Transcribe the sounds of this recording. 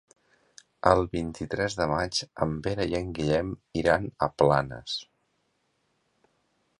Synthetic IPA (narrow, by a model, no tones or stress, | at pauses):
əlˠβint̪it̪ɾɛzðəmad͡ʒəmbeɾəiəŋɡiʎɛmiɾanəplanə̰s